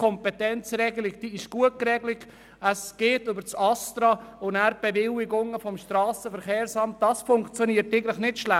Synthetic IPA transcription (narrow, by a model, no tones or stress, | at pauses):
kʰɔmpɛtɛnt͡sɾɛɡəlɪk̚d̥iːɪʃɡ̥uət̚kɾɛɡlɪɡ | əsɡ̥eːtʏbəɾt͡sɑstɾɑʊnæɾb̥ɛvɪlɪɡʊŋəfɔmʃtɾɑːsəfəɾχeːɾsɑmt̚d̥ɑsfʊŋkt͡sjɔniːəɾtɛɡən̩tləχnɪtʃlæ